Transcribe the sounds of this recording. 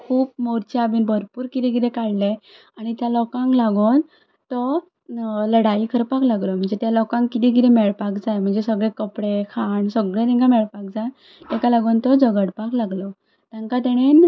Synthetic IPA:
kʰuːpmoɾt͡ɕeabiːnbʱəɾpuːɾkit̪ikiɾẽkaɭle | aɽ̃it̪jalɔkãŋklaɡon | t̪ɔ | ləɽaikʰəɾpaklaɡlɔm̤əɳd͡zet̪jalɔkãŋkːit̪ik̬it̪ɛmɛɭpakd͡zajm̤əɳd͡zesəɡɭekəpɽekʰaɳsəɡɭẽt̪ɛ̃ŋkamɛɭpak̚d͡za | t̪ɛ̃kalaɡont̪ɔd͡zəɡəɽpaklaɡlɔ | t̪jãŋkat̪̬ɛɽ̃en

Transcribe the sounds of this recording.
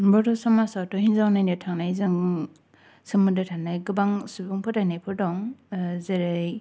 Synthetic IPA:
bɔtɔsɔmasatɔhinzawnajnɯtʰaŋnajzɯŋ | sɯmɯdɯtʰanajɡɯbaŋsubɯŋpʰɯtajnajpʰɯɾdɔŋzeɾɯj

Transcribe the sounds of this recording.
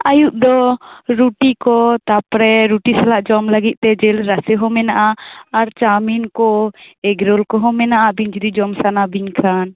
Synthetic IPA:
ajuʔd̪ɔɾuʈikɔt̪apɾɛɾuʈisalaʔd͡ʒɔmlaɡit̪̚ˀt̪ɛd͡ʒɛlɾasɛɦɔmɛnaʔaːɾt͡ʃaminkɔɛɡɾolkɔɦɔmɛnaʔabiɲd͡ʒɾid͡ʒɔmsanabiɲkʰan

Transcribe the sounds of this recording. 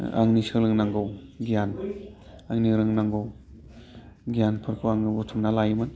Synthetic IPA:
a̰ŋnisɯlɯŋnaŋɡɯwɡijan | aŋniɾɯŋnaŋɡɯw | ɡijanpʰɯɾkʰuwaŋɯbutʰumnalajɯmɯn

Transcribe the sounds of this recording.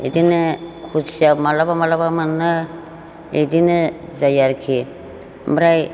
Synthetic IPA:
ḛdinɯkʰusijamalabamalaβamanːɯ | edinɯ | zajaɾkʰi | bɾaj

